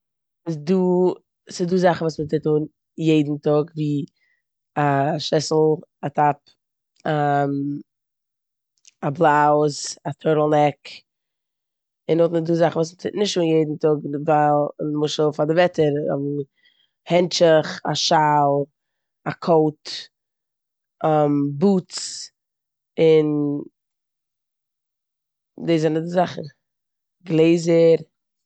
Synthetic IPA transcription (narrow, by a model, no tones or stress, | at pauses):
ɪsduː | sɪduːzaχn̩vuːsmətʰɪtuːn | jeɪdn̩tʊɡviː | aʃɛsl̩ˠatʰap̚ | am | ablˠaʊzatʰɔɾl̩ˠnɛk | ɪnɔtnɪduːzaχn̩vuːsmətʰɪtnɪʃtuːnjeɪdn̩tʊɡvalˠɪnmʊʃəl̩ˠfadɪvɛtəɾɔ̰m | hɛnt͡ʃəχa̰ʃalˠ | akʰoʊt | ɔmbuːt͡s | ɪn | deːzɛnədɪzaχə | ɡlˠeɪzəɾ